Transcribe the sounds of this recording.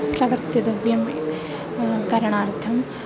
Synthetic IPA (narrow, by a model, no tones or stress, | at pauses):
pɾɐʋɐɾt̪id̪ɐbjɐm | kɐɾɐɳaːɾt̪ʰɐm